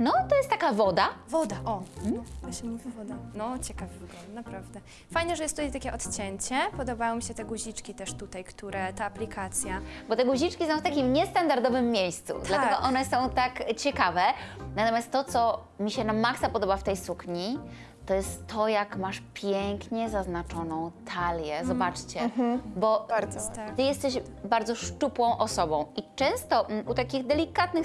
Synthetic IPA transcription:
nɔt̪ɔjɛst̪ːakavɔd̪avɔd̪aʔɔm̩t̪ɔɕɛmuvʲivɔd̪anɔt͡ɕɛkavɡɔnapɾavd̪ɛ | fajɲɛʐɛjɛst̪ːut̪ajt̪akʲɛʔɔt̪t͡ɕɛɲt͡ɕɛpɔd̪ɔbajɔ̃wmʲiɕɛt̪ɛɡuʑit͡ʂkʲit̪ɛʂt̪ut̪ajkt̪uɾɛt̪aːplʲikʰat̪sʲjabɔt̪ɛɡuʑit͡ʂkʲisɔ̃w̃ft̪akʲimɲɛst̪and̪aɾd̪ɔvɘmːʲjejst̪sṵd̪lat̪ɛɡɔʔɔnɛsɔ̃w̃t̪akt͡ɕɛkavɛnat̪ɔmjast̪ːɔt̪sɔ | mʲiɕɛnamaksapɔd̪ɔbaft̪ɛjsukɲi | t̪ɔjɛst̪ʰːɔjakmaʂpʲjɛŋkɲɛzaznat͡ʂɔnɔ̃w̃t̪ʰalʲjɛzɔbat͡ʂt͡ɕɛbɔ | t̪ɘjɛst̪ɛɕ | baɾd̪zɔʂt͡ʂupwɔ̃w̃ʔɔsɔbɔ̃w̃it͡ʂɛ̃w̃st̪ɔʔut̪akʲiɣd̪ɛlʲikat̪nɘx

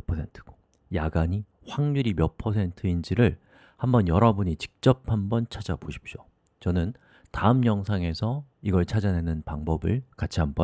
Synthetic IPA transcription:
pʰʌsʰe̞ntʰɯ̥ɡ̥o | jaɡaɲi | ɸwaŋɲuɾimjʌpʰʌsʰe̞ntʰɯind͡ʑiɾɯɭ | hambʌnjʌɾʌbuɲit͡ɕi̥k̚t͡ɕ͈ʌp̚ʰhambʌnt͡ɕʰad͡ʑa̰boɕʰi̥p̚ɕ͈o | t͡ɕʌnɯn | taɯmɲʌŋsʰaŋe̞sʰʌ | iɡʌɭt͡ɕʰad͡ʑanenɯnpaŋbʌbɯɭkat͡ɕʰiɦambʌ

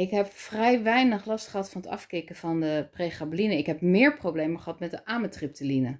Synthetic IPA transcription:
ɪkɦɛpfrɛjʋɛjnəχlɑstχəɦɑtfɑnətɑ̰fkɪkəvɑndəpreχablinəɪkɦɛp̚mɪːɹprowblejməχəɦɑtmɛt̚dəʔaːmətrɪp̚təlinə

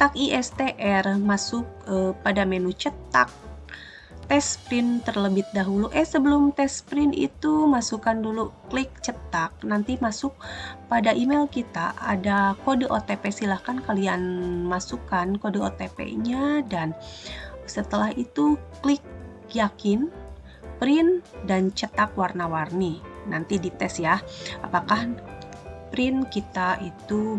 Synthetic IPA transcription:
t̪akiʔɛst̪eʔɛrmasʊk̚əpadamenut͡ʃət̪ak̚ | t̪ɛspɾɪnt̪ərləbɪt̪̚daɦuluʔɛsəbəlʊmt̪ɛspɾɪnḭt̪umasukanduluklɪk̚t͡ʃət̪ak̚nant̪imasʊk̚padaʔimelkit̪a̰ʔa̰dakodəʔot̪epesilahkankalianmasukankodoot̪epḛɲadan | sət̪əlahit̪uklɪk̚ | jakɪn | pɾɪndant͡ʃət̪akwarnawarninant̪idit̪ɛsjaapakah | pɾɪnkit̪aʔit̪u

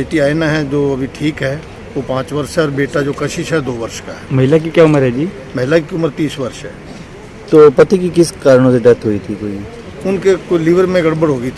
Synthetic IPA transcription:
beːʈiaːenaɦɛd͡ʒoːɐbʱiʈʰiːkɦɛː | oːpãːt͡ʃʋɐɾʃɦɛɔːɾbeːʈad͡ʒoːkɐʃɪʃɦɛd̪oːʋɐɾʃkaɦɛmɐɦɪlak̬ikjaʊməɾɦɛd͡ʒiː | mɐɦɪlakiʊməɾt̪iːsʋɐɾʃɦɛ̰ː | t̪oːpɐt̪ikikɪskaːɾəɽ̃õseɖɛt̪ɦoit̪ʰikoːi | ʊnkekolɪʋəɾmẽɡɐɽbəɽɦoːɡəit̪ʰː

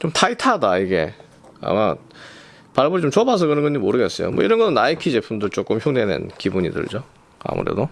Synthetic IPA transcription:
t͡ɕomtʰaitʰadaiɡe̞̰ | a̰ma | paɭboɾit͡ɕomt͡ɕobasʰʌkɯɾʌnŋɡɯɲimoɾɯɡes͈ʌjo̰mʌiɾʌnɡʌnɯnaikʰid͡ʑepʰundɯɭt͡ɕ͈ok͈ɯmçjoŋdenḛnkibuɲḭdɯ̰ɭd͡ʑo | a̰mṵɾe̞̰do

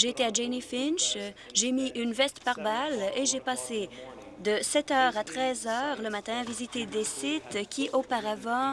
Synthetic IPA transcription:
ʒeːt̪ead͡ʒenifinʃ | ʒemiʔynvɛst̪paʁbaleʒepaːse | d̪əsɛt̪œːʁat̪χɛzœːʁləmat̪ɛ̃avizit̪ed̪esit̪kʲʰiʔopaʁavɑ̃

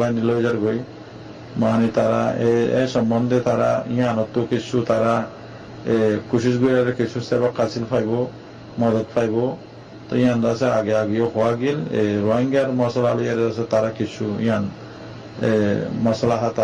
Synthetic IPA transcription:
lanilɔzaɾɡoj | manit̪aɾaeɛ̰sɔmbɔnd̪et̪aɾa̰ijanɔt̪ːukit͡ʃʰut̪aɾa | ekusisɡojaɾɛkisʰusɛbakːasilfʰajbɔ | mɔd̪ɔt̪fʰajbɔ | t̪ɔijandasɛaɡeaɡijoxɔwaɡileɾɔɦɔŋɡaɾmɔsalalojaɾɛas̬ɛt̪aɾakisʰuḭjan | ḛmɔsalaɦat̪a

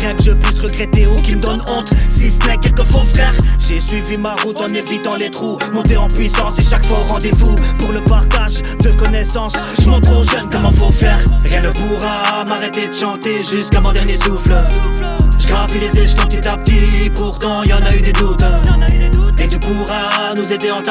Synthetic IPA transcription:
ʁjɛ̃kəʒəpɥisʁəɡʁɛt̪eukʲiməd̪ɔnɔ̃t̪sisənɛkʲɛlkəfofχɛʁʒesɥivimaʁut̪ɑ̃nefit̪ɑ̃let̪χumɔ̃t̪eɑ̃pɥisɑ̃seʃakfwaoʁɑ̃d̪evupuʁləpaʁt̪aʒd̪əkɔnɛsɑ̃s | ʒəmɔ̃t̪χoʒənkɔmɑ̃fofɛːʁʁjɛ̃nəpuʁamaʁɛt̪ed̪əʃɑ̃t̪eʒyskamɔ̃d̪ɛʁnjesufl | ʒəʁavilezɛʒk̪ɑ̃pət̪it̪apət̪ipuʁt̪ɑ̃ilɑ̃nayd̪ed̪ut̪ | et̪ypuʁanuzed̪eɑ̃t̪

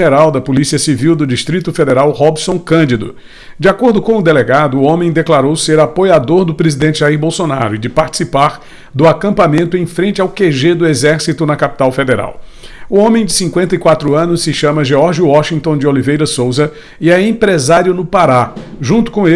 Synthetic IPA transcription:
eɾawd̪ɐpolisiɐsiviwd̪ʊd͡ʒiʃt̪ɾit̪ʊfed̪eɾawhɔbsõkɐ̃nd͡ʒ̪id̪ʊ̰ | d͡ʒɪakoɾd̪ʊkõw̃ʊd̪eleɡad̪ʊːõmẽj̃d̪eklaɾowseɾapojad̪oɾd̪ʊpɾezid̪ẽt͡ʃɪʒaiɾbowsona̰ɾʊɪd͡ʒɪpaɾt͡ʃi̥sipaɾ | d̪ʊakɐ̃mpamẽnt̪ʊẽj̃fɾẽnt͡ʃɪawkeʒed̪ʊezɛɾsit̪ʊnɐkapi̥t̪awfed̪eɾa̰w | ʊõmẽj̃d͡ʒɪsĩkwẽnt̪ɐikwat̪ɾʊɐ̃nʊssːɪʃɐ̃mɐʒeɔɾʒjʊwɔʃĩnt̪õd͡ʒɪolivejɾɐsowzɐ | ɪɐẽpɾezaɾjʊnʊpaɾa | ʒũnt̪ʊ̥kõe

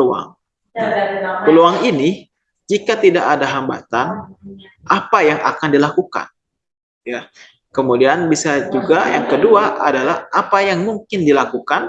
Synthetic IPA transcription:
ua̰ŋ | japəluaŋini | d͡ʒikat̪idaʔadaɦamba̰t̪an | ʔapajaŋa̰kandilakuka̰n | ja | kəmudianbisad͡ʒuɡajaŋkəduaʔa̰dalahʔapajaŋmuŋkɪndilakukan

